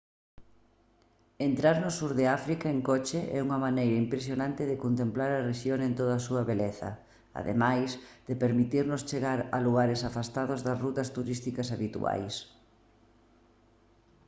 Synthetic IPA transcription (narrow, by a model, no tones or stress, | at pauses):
ent̪ɾaɾnʊsuɾðɪafɾikaeŋkɔt͡ʃeʔɛ̰uŋɐmanejɾɐimpɾes̬jonãnt̪ɪðekont̪emplaɾɐreʃjoŋẽnt̪oð̞ɐsuɐβeleθɐ̰ | a̰ðḛmajsd̪̥epeɾmit̪iɾnʊst͡ʃeɣaɾɐluɣaɾɪsafast̪aðʊzðɐsrut̪ɐst̪uɾist̪ikɐsaβit̪ṵa̰js